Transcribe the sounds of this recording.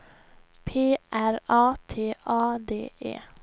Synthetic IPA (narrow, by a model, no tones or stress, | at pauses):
pʰeːʔæɾɑːt̪ʰeːʔɑːd̪ḛːʔḛː